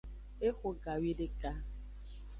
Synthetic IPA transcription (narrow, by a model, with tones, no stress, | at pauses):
e˦xʊ˨ɡa˨wi˦lɪ˦kʼa˦